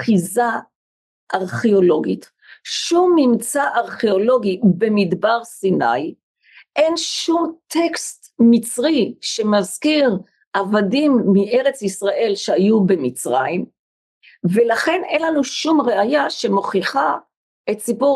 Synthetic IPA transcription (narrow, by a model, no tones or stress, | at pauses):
χiza | ʔaʁχeo̞lo̞ɡit | ʃumːimt͡saʔaʁχeolo̞ɡibe̞mid̪baʁsina̰j | ʔe̞nʃumtʰekst | mit͡sʁiʃe̞mazkiʁ | avadimːiʔe̞ʁet͡sisʁaʔe̞lʃeajube̞mit͡sʁa̰im | ve̞laχe̞nenlanuʃumʁeajaʃemo̞χiχa | ʔetsipu